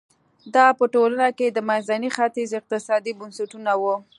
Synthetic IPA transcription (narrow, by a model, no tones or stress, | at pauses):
d̪ɑpəʈolanaked̪əmanzanixat̪izɪq̚t̪ɪsɑd̪ibʊnsaʈunawu